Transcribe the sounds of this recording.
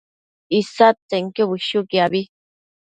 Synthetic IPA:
isat͡seŋkoβiʃukiaβi

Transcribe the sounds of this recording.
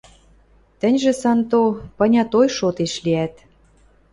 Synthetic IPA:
t̪ə̆nʲʒĕsɑnt̪opɤ̆nʲɑt̪ojʃot̪eʃliæt̪

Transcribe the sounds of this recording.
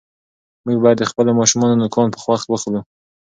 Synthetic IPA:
muɡ̚bɑjad̪ːəxpəlomɑʃumɑnonokʰɑnpə̥xwaxt̪wəxlu

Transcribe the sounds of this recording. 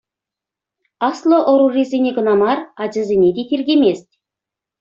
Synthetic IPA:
ɑslˠoʔŏɾurʲezʲenʲeɡɤ̆nɑmɑrɑd͡ʑɤ̆zʲenʲed̪ʲet̪ʲerʲɡʲemʲesʲtʲ

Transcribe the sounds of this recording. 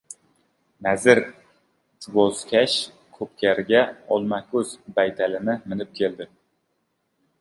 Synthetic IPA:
nazɪɾ | boz̥kʲʰaʃ | kʰɵp̚kʲaɾɡʲaɒlˠmakʰʲɵz̥bajt̪ʰalɪnɪmɪnɪp̚kʲʰe̞ld̪ɪ

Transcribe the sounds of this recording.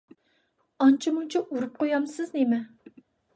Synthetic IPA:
ɑnt͡ʃʰimunt͡ʃʰiʔuɾup̚qojɑmsɪznemɛ

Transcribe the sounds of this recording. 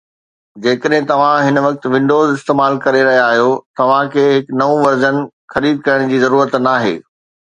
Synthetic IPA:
d͡ʑeːkəɗɦɪ̃t̪ɐʋ̤ãɦɪnʋɐk̚t̪̆ʋɪ̃ɳɖoːzɪst̪eːmaːlkɐɾeɾɐɦiaaːɦijot̪ɐʋ̤ãkʰeːɦɪknɐʋũʋɐɾzənɪ̆ | xɐɾiːd̪̚kɐɾəɽ̃d͡ʑiːzɐɾuːɾət̪naːɦḛː

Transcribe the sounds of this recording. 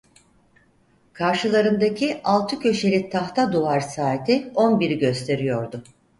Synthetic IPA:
kʰaɾʃɯlˠaɾɯnd̪acʰiʔalˠt̪ʰɯcʰø̞ʃe̞lʲit̪ʰaxt̪ʰad̪uvaɾsaːt̪ʰio̞nbiɾiɟø̞st̪ʰe̞ɾijo̞ɾd̪ʊ

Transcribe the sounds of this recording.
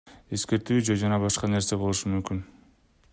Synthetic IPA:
e̞ske̞ɾt̪yːd͡ʒed͡ʒɑnɑbɑʃqɑne̞ɾse̞bo̞lˠuʃumymkyn

